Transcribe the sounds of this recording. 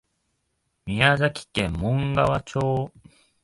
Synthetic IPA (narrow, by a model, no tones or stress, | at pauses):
mʲiazakʲi̥kẽmːõ̞ŋɡaβat͡ɕoː